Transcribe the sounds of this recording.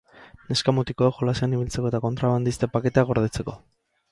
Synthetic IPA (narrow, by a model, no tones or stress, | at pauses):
ne̞skamut̪ikoekxo̞laseaniβilt͡se̞ko̞e̞t̪ako̞nt̪ɾaβand̪ist̪e̞pake̞t̪eaɣo̞ɾð̞et͡se̞ko̞